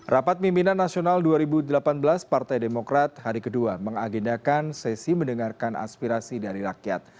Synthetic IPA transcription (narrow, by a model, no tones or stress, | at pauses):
rʔapat̪̚mimpinanːasionalduaɾibudəlapanbəlaspart̪ajdemokɾat̪̚haɾikəduaməŋaɡindakansɛsiməndəŋarkanʔa̰spiɾasidaɾiɾakja̰t̪̚